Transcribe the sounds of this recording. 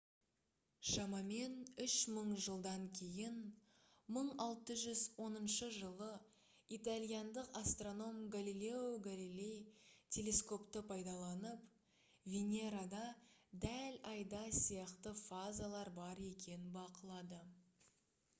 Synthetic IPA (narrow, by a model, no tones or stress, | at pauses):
ʃɑmɑme̞nʏʃməɴʒəlˠd̪ɑŋkʲʰe̞jɪn | məɴɑlˠt̪əʒʏzwo̞nənʃəʒəlˠə | it̪alʲˠijɑnd̪əqast̪ro̞no̞mɡalilʲe̞uɡalilʲe̞jtʲʰe̞lʲe̞sko̞pt̪əpʰɑjd̪ɑlˠɑnəp | vʲenʲe̞ɾad̪ɑd̪ælɑjd̪ɑsijɑqt̪əfazalˠɑɾbɑɾe̞kʲʰe̞nɪnbɑqəlˠɑd̪ə